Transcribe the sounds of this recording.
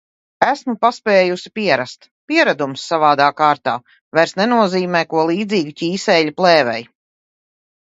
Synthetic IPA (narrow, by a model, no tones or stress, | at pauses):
æsmupaspɛːjusi̥piɛɾast̪ | piɛɾad̪umsːavaːd̪aːkaːɾt̪a̰ː | vajɾsnɛnuɔziːmɛːkuɔlˠiːd̪ziːɡucʲiːsɛʎuplˠɛːvɛ̰j